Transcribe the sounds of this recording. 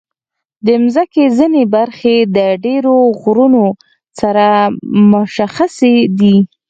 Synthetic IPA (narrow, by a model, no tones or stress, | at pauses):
d̪əmzəkezinebaɾxed̪əɖeɾoɣɾuno | saɾamʊʃaxased̪i